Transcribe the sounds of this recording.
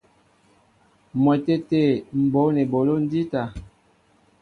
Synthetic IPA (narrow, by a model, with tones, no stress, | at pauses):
mwɛ˨te˦te˦˨m̩˨bo˨˦ne˨bo˨lo˦n˦di˦ta˨